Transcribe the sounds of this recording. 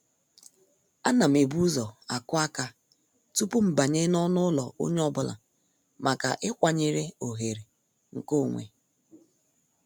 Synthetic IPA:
a˦na˨m̩˨e˨bu˦zɔ˨a˨kʊ˦a˦ka˦ | tu˦pu˦m̩˨ba˨ɲe˦nɔ˦nʊ˦lɔ˨o̰˦ɲ˦ɔ˦bʊ˨la̰˨ | mʔa˨ka̰˨ʔɪ˦kʷa˨ɲe˨ɾe˦o˨ɦe˨ɾe˨ | ŋ̩˨ko˦˨ŋʷḛ˨

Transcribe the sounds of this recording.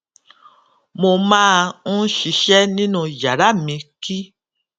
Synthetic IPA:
mo˧mãː˦ũ˦ʃi˧ʃɛ˦nĩ˦nũ˧˨ja˨ɾa˦mĩ˧ki˦

